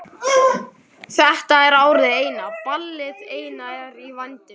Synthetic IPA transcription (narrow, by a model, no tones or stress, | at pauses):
θɛht̪aɛɾaːwɾɪðɪeːjnapalːɪðeːjnaɾivant̪ɪ